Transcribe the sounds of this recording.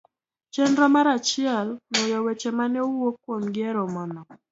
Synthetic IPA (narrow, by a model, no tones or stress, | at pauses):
t͡ʃendɾɔmaɾat͡ʃɪɛlnojɔwet͡ʃemanɛwokːwomɡɪɛɾɔmɔnɔ